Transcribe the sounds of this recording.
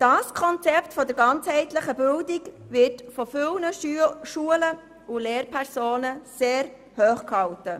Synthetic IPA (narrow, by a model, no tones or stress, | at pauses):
d̥ɑːskʰɔnt͡sɛptfɔdəɾɡɑnt͡shɛɪtləχəbɪldik | vɪɾtfɔfʏlnəʃuələ | ʊleːrpʰɛɾsoːnəseːɾ | høːχkhɑltə